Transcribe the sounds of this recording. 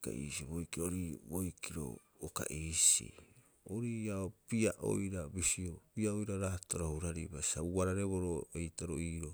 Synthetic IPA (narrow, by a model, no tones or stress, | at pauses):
ka̰ḭːsiβojkiɾoɾibojkʰiɾo̰ | oka̰ʔiːsḭ | oɾiaopiaʔo̰jɾabisiopiaojɾaɾaːtoɾahuɾaɾibasauaɾaɾe̞βoɾoejtaɾoiːɾo